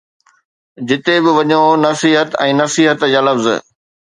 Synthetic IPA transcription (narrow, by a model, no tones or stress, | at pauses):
d͡ʑɪt̪ebɪʋɐɲonɐsiːɦət̪ɛ̃ːnɐsiːɦət̪jaːlɐfz